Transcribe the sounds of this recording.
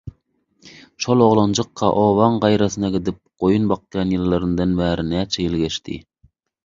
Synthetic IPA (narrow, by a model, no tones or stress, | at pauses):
ʃolˠoʁlˠɑnd͡ʒəqʰːɑʔowɑŋʁɑjɾɛsɨnɛɡʲɛd̪ɪp̚qojunbɑq̚ɡʲɑnjilˠːɨɾɨnɨd̪ɨnbæːɾɪnɛt͡ʃʰɛjilɡʲɛʃt̪ʰɪ̰